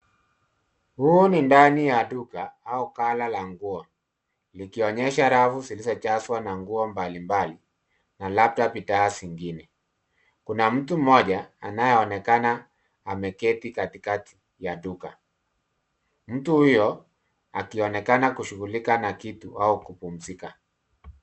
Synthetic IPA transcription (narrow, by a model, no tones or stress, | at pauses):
huːnindanijadukaaukalalaŋɡuɔ | likiɔɲɛʃaɾavusilisɔt͡ʃaswanaŋɡuɔmbalimbali | nalap̚tapitaːsiŋɡinɛ | kunam̩tum̩mɔʄaa̰najɛɔnɛkanaː | mɛkɛtikatikati̥ | jaduka | m̩tuhujɔ | a̰kiɔnɛkanakuʃuɣulikanakituaukupum̩zika